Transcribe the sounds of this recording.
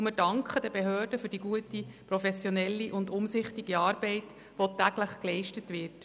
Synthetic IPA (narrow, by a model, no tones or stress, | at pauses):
mɪdɑŋkχəd̥əbeɦøːrdəfyɾd̥iɡuətipɾɔfɛsjɔnɛlːiʔʊndʊmsɪχtiɡiɑːɾbɛɪt | ʋotæɡ̥ləχklɛɪʃtətʋɪɾt